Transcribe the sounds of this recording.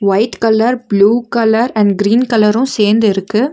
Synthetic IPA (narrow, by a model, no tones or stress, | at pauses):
ʋɐɪt̪kɐlːɐɾbluːkɐlːɐɾɛɳɖɡɾiːnkɐlɐɾʊ̃seːɾnd̪ɪɾɯkːɯ